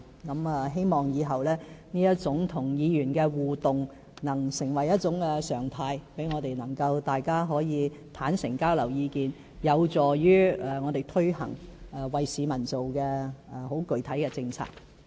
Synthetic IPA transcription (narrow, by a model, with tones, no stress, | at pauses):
kɐ˨˥mɛː˨ɦe˥jmɔː˨˩ŋjiː˨˧ɦɐ˨˩wlɛː˥niː˥jɐ˥t̚t͡sʊ˨˥ŋt̪ʰʊ˨˩ŋjiː˨˧jyː˨˩nkɛː˧wuː˨t̪ʊ˨ŋ | nɐ˨˩ŋsɪ˨˩ŋwɐ˨˩jɐ˥t̚t͡sʊ˨˥ŋkɛ˧sœː˨˩ŋt̪ʰaː˧jpe˨˥jŋɔː˨˧t̪e˨jnɐ˨˩ŋkɐ˧wt̪aː˨jkaː˥ɦɔː˨˥jiː˨˧t̪ʰaː˨˥nsɪ˨˩ŋkaː˥wlɐ˨˩wjiː˨˧kiː˨n | jɐ˨˧wt͡sɔː˨˩jyː˥˨ŋɔː˨˧t̪e˨jt̪ʰɵ˥ɥhɐ̰˨˩ŋː˨˩wɐ˨jsiː˨˧mɐ˨˩nt͡so˨wkɛː˧˨ho˨˥wkɵ˨ɥt̪ʰɐ˨˥jkɛː˧t͡sɪ˧ŋt͡sʰa̰ː˨k̚